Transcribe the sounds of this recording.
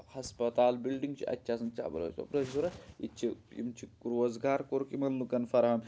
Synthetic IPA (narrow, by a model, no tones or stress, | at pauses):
hɐspɐt̪aːlbilɖiŋɡt͡ʃʰiʔɐ̰tʲːʃʰasɐnt͡ʃa̰ːbɐ̰ɾɐ̰ːt͡ʃɐ̰pɾɐt͡ʃʰisuɾɐit͡ʃʰiḭmt͡ʃʰikuɾʋozɡaːɾkoɾkimɐnːukɐnfɐɾɦɐm